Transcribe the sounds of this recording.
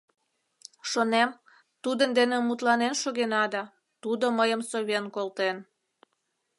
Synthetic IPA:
ʃonem | t̪ud̪ənd̪enemut̪lɑnenʃoɣenɑd̪ɑ | t̪ud̪oməjəmsoβenkolt̪en

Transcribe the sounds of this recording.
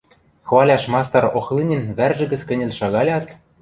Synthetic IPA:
xβɑlʲɑʃmɑst̪ɑɾoxlinʲɘ̆nβærʒɘ̆ɡɘ̆t͡skɘ̆nʲɘ̆lʲʃɑɣɑlʲɑt̪

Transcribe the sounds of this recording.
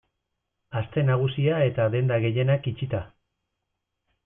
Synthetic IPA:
ast̪e̞naɣ̞usiae̞t̪aðe̞nd̪aɣe̞je̞nakit͡ʃit̪a

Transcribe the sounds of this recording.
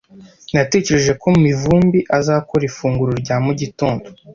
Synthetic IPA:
nate̞ceɾe̞ʒe̞ko̞mumivuːmbiʔazaːkoɾifuːŋɡuɾoɾɟaːmuɟitoːndo

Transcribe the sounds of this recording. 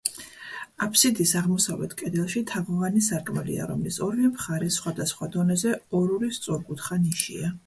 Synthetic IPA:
apʰsid̪isaʁmɔsavlɛ̰t̪ʰkʼɛd̪ɛlˠʃit̪ʰaʁɔʁanisaɾkʼmɛlḭa̰ɾɔmlisɔɾmɛmχaɾɛsχwad̪asχwad̪ɔnɛzɛɔɾulist̪sʼɔɾɡut̪ʰχaniʃḭa

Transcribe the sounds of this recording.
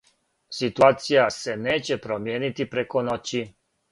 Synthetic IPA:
sit̪uaːt̪sijase̞neːt͡ɕe̞pɾomjeːnit̪ipɾe̞ko̞not͡ɕi

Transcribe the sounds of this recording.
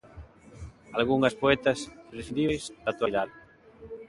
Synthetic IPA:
alɣuŋɐspoɛt̪ɐsresiðijsðat̪waðaðɪ

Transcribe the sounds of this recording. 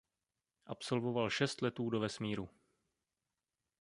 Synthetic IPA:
ʔapso̞lvovalʃɛst̪lɛt̪uːdovɛsmiːɾu

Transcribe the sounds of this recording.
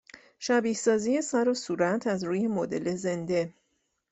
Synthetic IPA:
ʃæbiːhsɒːzije̞sæɾosuːɾæt̪ʰæzɾuːje̞mod̪e̞̰le̞ze̞nd̪e̞

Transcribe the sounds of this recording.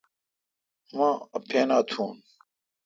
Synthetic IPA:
mãːɐpʰeːnaːt̪ʰuːn

